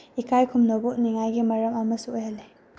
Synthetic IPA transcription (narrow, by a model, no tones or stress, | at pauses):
ikajkʰumnoboʔniŋajɡimɐɾɐmɐmɐsuojhɐle